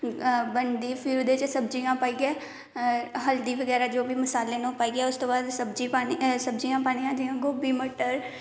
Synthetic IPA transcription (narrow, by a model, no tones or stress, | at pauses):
bənd̪iːpʰɪɾʊd̪et͡ʃsəb̚d͡ʒijãːpaːiːɡɛː | ɦəld̪iːʋəɡɛːɾaːd͡ʒoːbiːməsaːlːeːnõːpaːiːɡɛːʊst̪oːbaːd̪səbd͡ʒiːpaːisəbd͡ʒijãːpaːɽ̃ijãːd͡ʒiːãːɡoːbiːməʈəɾ